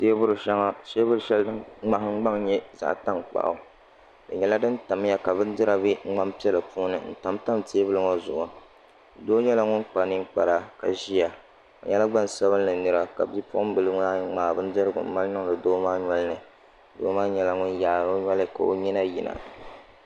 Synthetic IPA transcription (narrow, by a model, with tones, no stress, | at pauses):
seː˦bʊ˦ɾɨ˨ʃɛ˦ŋa˦seː˦bʊ˦ɾɨ˨˦ʃɛ˦lŋ͡ma˨hŋ͡m̩˦ɡ͡ba˦ŋɲɛ˦za̰˦ʔta˦ŋk͡pa̰˨ʔa̰˨˦ | dɨ˨ɲɛ˨la˦dɨ˦n̩˦ta˨m˦ja˦ka˨bɨ˦n̩˦dɨ˦ɾa˨bi˦ŋ̩˦ŋ͡ma˦mpi˦ɛ˦lɨ˨pu˦nɨ̰˨n̩˦˨ta˨mta˦mteː˦bɨ˦lɨ˦ŋo˦zʊ̰˨ʔʊ˨ | doː˦ɲɛ˦la˦ŋʊ˦nk͡pa˨nɨ˦ŋk͡pa˨ɾa˦ka˨ʒi˦ja˨ | o˨ɲɛ˦la˦ɡ͡ba˦˨n˨sa˦βɨ˦nːɨ˨nɨ˦ɾa˦ka̰˨bi˦pʊ˦ʔʊ˦m˦bɨ˨lɨ˦ŋa˦ŋ͡maː˨bɨ˦n̩˦dɨ˦ɾɨ˦ɡʊ̰˨m̩˦ma˦lnɨ˦ŋlɨ˨doː˦maː˦ɲɔ˦lɨ˦nɨ˨ | doː˨˦maː˦ɲɛ˨la˨ŋʊ˦nja˨ɾo˦ɲʷ˦ɔ˦lɨ˦ka̰˨o̰˨ɲi˦na˦ji˨na̰˨